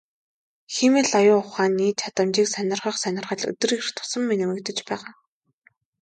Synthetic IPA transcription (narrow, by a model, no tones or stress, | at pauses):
ximeːɮajʊːʊχaːnːiːt͡ɕʰat̪ə̆mt͡ɕiːksænʲɪ̆rχə̆χsænʲɪ̆rχə̆ɮɵ̰t̪ɵ̆rir̥t̪ʰʊ̥sə̆mːenɘ̆mɘ̆kt̪ə̆t͡ɕpæːʁaː